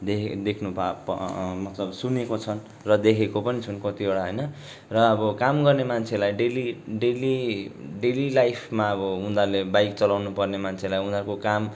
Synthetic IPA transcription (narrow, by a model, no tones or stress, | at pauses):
d̪ed̪ekʰnubʱapmʌt̪lʌbsunekot͡sʰʌn | rʌd̪ekʰekopʌnit͡sʰunkʌt̪ioɽaɦʌjnʌ | rʌːbʌkamɡʌrnemant͡sʰelajɖeliɖeliɖelilajpʰmaʌbʌũnd̪alebajkt͡sʌlawnupʌrnemant͡sʰelajɦũnd̪akokam